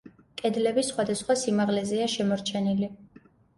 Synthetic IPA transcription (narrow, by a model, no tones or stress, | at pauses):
kʼɛd̪lɛbisχwad̪asχwasimaʁlɛzɛaʃɛmɔɾt͡ʃʰɛnili